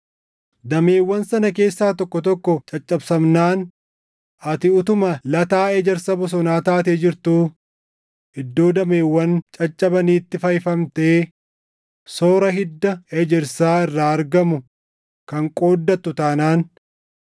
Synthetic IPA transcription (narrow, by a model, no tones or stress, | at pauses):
d̪ɐme̞ːwːɐnsɐnɐke̞ːsːaːt̪ɔkːɔt̪ɔkːɔt͡ʃʼɐt͡ʃʼːɐbsɐmnaːn | ʔɐt̪ɪʊt̪ʊmɐlɐt̪aːed͡ʒɛɾsɐbɔs̬ɔnaːt̪aːt̪eːd͡ʒɪɾt̪uː | ʔɪd̪ːo̞ːd̪ɐmeːwːɐnt͡ʃʼɐt͡ʃʼːɐbɐniːt̪ːɪfɐjfɐmt̪eː | soːɾɐɦɪd̪ːɐed͡ʒɛɾsaːɪrːaːɐɾɡɐmʊ | kɐŋkʼoːd̪ːɐt̪ːʊt̪aːnaːn